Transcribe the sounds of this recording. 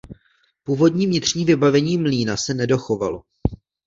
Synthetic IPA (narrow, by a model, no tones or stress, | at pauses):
puːvo̞dɲiːmvɲɪt̪r̝̥ɲiːvɪbavɛɲiːmliːnasɛnɛdo̞xo̞valo̞